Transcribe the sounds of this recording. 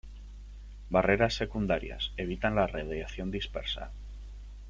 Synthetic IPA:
bare̞ɾasːe̞kund̪aɾja̰se̞βit̪anlareðeaθjo̞nd̪ispe̞̰ɾsa̰

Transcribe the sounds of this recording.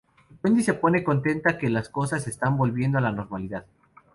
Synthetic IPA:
wend̪ise̞po̞ne̞ko̞nt̪e̞nt̪ake̞lasko̞sas̬e̞st̪ambo̞lβje̞nd̪oalano̞ɾmaliðað

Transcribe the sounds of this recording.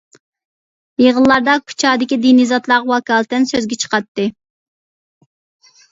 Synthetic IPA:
jeʁəllːˠɑɾd̪ɑkʰːu̥t͡ʃʰɑːd̪ɪkʲid̪inizɑt̪lˠɑʁɑwɑkɑlˠt̪ɪnsøzɡʲɛt͡ʃʰə̥qɑt̪ːɨ

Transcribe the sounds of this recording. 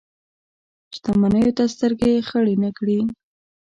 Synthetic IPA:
st̪amanəjot̪ast̪əɾɡexəɽinəkɽi

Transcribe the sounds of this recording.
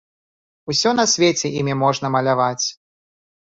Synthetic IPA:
usʲɔnɐsʲvʲet͡sʲɛimʲimɔʐnɐmɐlʲavat͡sʲ

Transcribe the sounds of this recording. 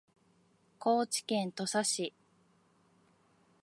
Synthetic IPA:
ko̞ːt͡ɕi̥kẽ̞nt̪o̞saɕi

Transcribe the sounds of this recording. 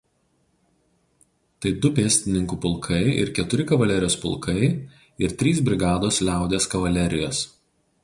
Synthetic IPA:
t̪ɐɪd̪ʊpʲeːsʲt̪ʲɪnʲɪŋkupʊlˠkʰɐɪɪ̰ɾkʲɛt̪ʊɾʲɪkɐʋɐlʲɛɾʲɪjoːspʊ̰lˠˑkʰɐɪ | ɪɾt̪ʲɾʲiːsbʲɾʲɪɡɑːd̪oːslʲæˑʊd̪ʲeskɐʋɐlʲɛɾʲɪjoːs

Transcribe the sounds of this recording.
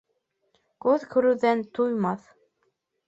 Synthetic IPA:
kʉðkʰɵ̆ɾʉðænt̪ʰujmɑθ

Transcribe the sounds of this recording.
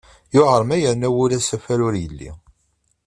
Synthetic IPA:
jʊʕəɾˤmæjəɾnæwʊlæsæfæɾʊɾjəlːḭ

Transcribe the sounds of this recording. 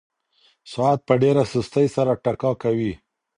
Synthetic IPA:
sʊat̪̚pəɖeɾasust̪əjsaɾaʈakɑkawi

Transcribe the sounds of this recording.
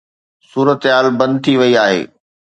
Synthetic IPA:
suːɾət̪ɦaːlbɐ̃nd̪̚t̪ʰiʋɐiaːɦḛː

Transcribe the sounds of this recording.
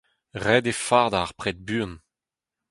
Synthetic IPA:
ʁɛd̪efaʁd̪aʁpχɛt̪̚byːn

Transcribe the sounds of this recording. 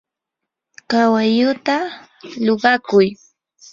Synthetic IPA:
kawajʊt̪a | loɢɑkʊj

